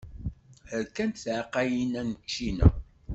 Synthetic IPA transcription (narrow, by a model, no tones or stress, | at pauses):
həɾkænt̪θʕqæjinænət͡ʃːinæ̰